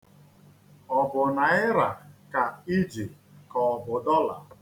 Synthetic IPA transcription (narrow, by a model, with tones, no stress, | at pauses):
ɔ˨bʊ˨na˨ɪ˦ɾa˨ka˨i˦d͡ʒi˨ | kɔ˨ɔ˨bʊ˨dɔ˦la̰˨